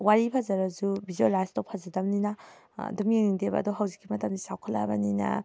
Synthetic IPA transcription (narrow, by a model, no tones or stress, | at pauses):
waɾipʰazaɾazubʱizuelajstɔpʰazadamnina̰ | dɔmeŋniŋdeba̰dɔɦawzikːimɐtamdisawkʰalːa̰ba̰nina̰